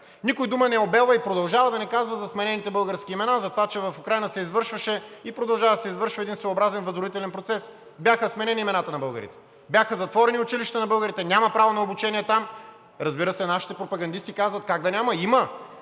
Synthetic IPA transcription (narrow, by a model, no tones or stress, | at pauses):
nikʊjd̪umənɛobɛlˠəipɾod̪ɐlˠʒavɐd̪ɐnɛkazvəzɐsmɛnɛnit̪ɛbɤlˠɡəɾskʲiːmɛnazɐt̪ovat͡ʃɛvɐfʊkɾajnəsɛizvɤɾʃvəʃɛipɾod̪ɐlˠʒavɐd̪ɐsɛizvɤɾʃvɐɛd̪insvoːbɾazɛnvɐzɾʊit̪ɛlɛnpɾot̪sɛs | bjaxəsmɛnɛniimɛnat̪ənɐbɤlˠɡə̰ɾḭt̪ɛ̥ | bʲjaxəzɐt̪vɔɾɛniʊt͡ʃiliʃt̪ənɐbɤlˠɡəɾit̪ɛnʲamɐpɾavonɐobut͡ʃɛniɛt̪am | ɾɐzbiɾəsɛnaʃi̥t̪ɛpɾopɐɡɐnd̪ist̪ikazvɐt̪̚kaɡ̚d̪ɐnʲamɐimə